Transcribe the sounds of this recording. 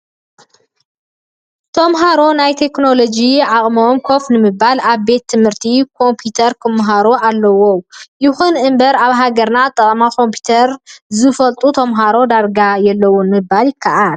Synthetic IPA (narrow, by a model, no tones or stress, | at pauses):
t̪ʰo̞mɦaɾo̞najt̪ʰe̞kno̞lo̞d͡ʒiʕakʼmomkʰo̞fnɨmɨbalaβbe̞t̪ʰːɨmhɨɾt̪ʰikʰo̞mpʰjut̪ʰɐɾkʰɨmːɦaɾoalːɐwojɪxunʔɨmbɐɾaβɦaɡɐɾnat̪ʼːɐkʼmakʰo̞mpʰu̥t̪ʰɐɾzɨfɐlt̪ʼut̪ʰomɦaɾo̞d̪aɾɡajɛlːɐwunmɨbːaljɪkʰːaʔal